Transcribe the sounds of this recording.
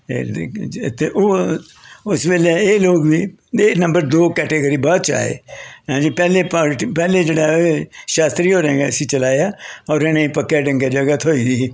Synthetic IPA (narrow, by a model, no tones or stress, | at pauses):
ḛ | t̪eːʔoː | ʊsʋeːlaeːloːɡʋiː | eːnə̃mbəɾd̪oːkɛːʈeːɡəɾiːbɔːt̪t͡ʃa̰ːḛːãːd͡ʒiːpɛːleːpaːʈpɛːleːd͡ʒeːɽaːoeʃaːst̪ɾiːɦoːɾãːɡeːəsĩːt͡ʃəlaːjaːɔːɾeñẽːiːpəkːaːɖə̃ŋɡeːd͡ʒəɡat̪ʰoːiːd̪iː